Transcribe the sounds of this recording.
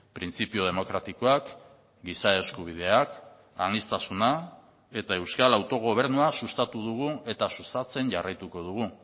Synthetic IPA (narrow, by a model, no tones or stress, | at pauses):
pɾint͡sipioð̞emo̞kɾat̪iko̞ak | ɡisae̞skuβ̞ið̞e̞ak | anist̪asuna | e̞t̪ae̞wskalawt̪o̞ɣ̞o̞β̞e̞ɾnuasust̪at̪uðuɣ̞ue̞t̪asust̪at͡se̞nʝarajt̪uko̞ðuɣ̞u